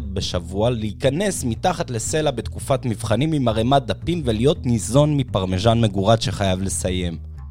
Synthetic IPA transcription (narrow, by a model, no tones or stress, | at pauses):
t̚beʃavualiikane̞smitaχatle̞se̞labe̞t̪kufatmivχanimimaʁemat̚d̪apimvelijo̞tnizo̞nmipaʁmeʒanme̞ɡuʁadʃe̞χajavle̞saje̞m